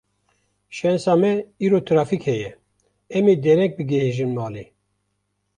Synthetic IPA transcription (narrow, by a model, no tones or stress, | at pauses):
ʃɛnsɑːmɛiːɾoːt̪ʰɨɾɑːfikhɛjɛ | ɛmeːd̪ɛɾɛk̚bɨɡɛɦeʒɨnmɑːleː